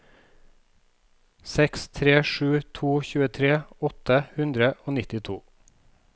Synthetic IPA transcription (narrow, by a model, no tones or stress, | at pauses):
sɛkst̪ʰɾeːʃʉːt̪ʰuːçʉːət̪ʰɾeːɔt̪əhʉnd̪ɾəʔoːnɪt̪ɪt̪ʰuː